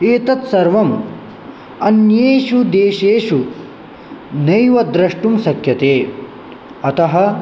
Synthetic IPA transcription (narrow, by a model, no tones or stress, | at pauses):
eːt̪ɐt̪sɐɾʋɐm | ɐnjeːʃud̪eːʃeːʂu | nɐjʋɐd̪ɾɐʂʈumsɐkʰjɐt̪eː | ɐt̪ɐɦɐ̆